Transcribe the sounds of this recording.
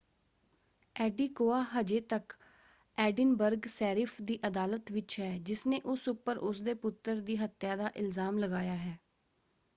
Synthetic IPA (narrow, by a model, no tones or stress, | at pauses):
ɛːɖiːkoːaːɦəd͡ʒeːt̪ək | ɛːɖɪnbəɾɡsɛːɾɪpʰd̪iːʔəd̪aːlət̪ʋɪt͡ʃɦɛːd͡ʒɪsneːʔʊsʊpːəɾʊsd̪eːpʊt̪ːəɾd̪iːɦət̪jaːd̪aːʔɪlzaːmləɡaːjaːɦɛː